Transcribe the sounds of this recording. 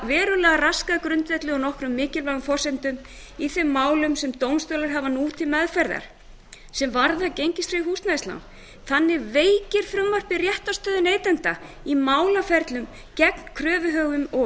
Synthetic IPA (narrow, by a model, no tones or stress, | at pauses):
vɛːɾʏlɛːɣaraskakɾʏnt̪vɛht̪lɪɔnɔhkɾʏmːɪːcɪlvaɣfɔr̥sɛnt̪ʏm | iθɛmːaːwlʏmsɛmt̪ownst̪œːlaɾ̥ɦavanuːt̪ʰɪlmɛðfɛɾða̰ɾ̥ | sɛmvaɾðacejɲcɪstfɾiɦust̪naistla̰wn | θanːɪɾveːjcɪɾ̥fɾʏmːar̥pɪrjɛht̪ast̪œːðʏneːjt̪ɛnt̪a | imaːwlafɛɾt̪lʏm | cɛk̚nkʰɾœːvʏɦœːɣʏmɔ